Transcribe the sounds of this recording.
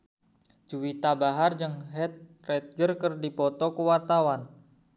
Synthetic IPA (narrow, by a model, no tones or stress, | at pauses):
d͡ʒuwit̪abaɦard͡ʒɨŋɦɛt̪̚ | rɛt̪̚d͡ʒərkərdipɔt̪ɔkuwart̪awan